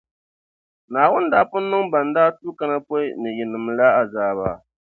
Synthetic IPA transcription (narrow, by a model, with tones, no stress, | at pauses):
naː˨wʊ˦ndaː˦pʊ˦nː˦ɨ˦ŋba˨n˦daː˦tu˦ka˦na˦pɔ˦jnɨ˨jɪ˨nɨ˨m˨la˦a˨zaː˨βa̰ː˨